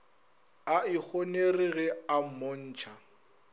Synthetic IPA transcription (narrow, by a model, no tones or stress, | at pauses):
aɪk͡xʰoneriɣɛamon̩ːt͡ʃʰa